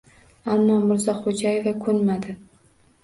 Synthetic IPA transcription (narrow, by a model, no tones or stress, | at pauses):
amːɒmʊɾzɒχod͡ʒajevakʰɵnmad̪ɪ